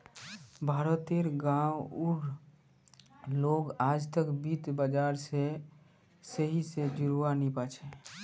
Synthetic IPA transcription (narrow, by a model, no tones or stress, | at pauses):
bʱaɾət̪eɾɡawuɾ | loɡaːd͡ʒt̪əkbit̪bəd͡ʒaɾse | səɦised͡ʒuɾuanipat͡ʃʰɛ